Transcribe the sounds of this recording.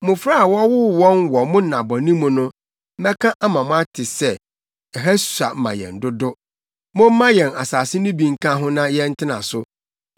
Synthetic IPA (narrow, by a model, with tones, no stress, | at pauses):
mʊ̃˨fɾa˦a˨wɔ˦wʊ˦wɔ̃˦nwɔ˨mʊ̃˦˨nã˨bɔ˨nĩ˦mʊ̃˨nʊ̃˦ | m̩˦mɛ˦kʰã˦ʔa˦mã˨mʊ̃˦a˦tʰɪ˨sɛ˦ | ɛ˨ɦa˦ssa̰˨m̩˦mã̰˨jɛ̰̃˨n˨dʊ˦dʊ˦ | mʊ̃˦m̩˦mã˦jɛ̃˨na̰˨saː˨sɪ˦nʊ̃˦bĩ˨ŋ̩˦kʰã˦ɦʊ̃˦nã˦jɛ˦n̩˦tʰɪ˦nã̰˨sʊ˦